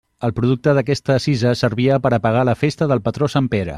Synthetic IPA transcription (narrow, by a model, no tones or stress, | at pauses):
əlˠpɾuðuk̚t̪əðəkɛst̪əsizəsəɾβiəpəɾəpəɣaləfest̪əðəlˠpət̪ɾosampeɾə̰